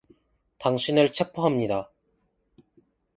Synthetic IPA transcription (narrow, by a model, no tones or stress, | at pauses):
taŋɕʰinɯɭt͡ɕʰepʰoɦamɲida